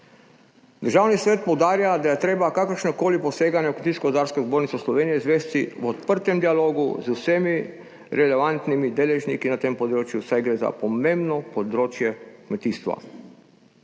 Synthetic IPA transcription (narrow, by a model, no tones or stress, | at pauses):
d̪əɾʒaːwnisʋeːt̪̚powd̪aːɾjad̪ajɛt̪ɾeːbakakəɾʃnɔkoːliposeːɡanjɛukmet̪iːskɔd̪aːɾskozboːɾnit̪sɛslɔʋeːnijɛzʋeːst̪iwɔt̪pəɾt̪ɛmd̪ialoːɡṵzusemi | ɾɛlɛʋant̪nimid̪eːlɛʒnikinat̪eːmpod̪ɾoːt͡ʃjusajɡɾeːza̰pomẽmbnɔpod̪ɾoːt͡ʃjɛkmet̪iːst̪ʋa̰